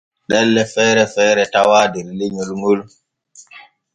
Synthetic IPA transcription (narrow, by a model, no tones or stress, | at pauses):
ɗɛlːɛfɛːɾɛfɛːɾɛtawaːdɛɾleɲolŋol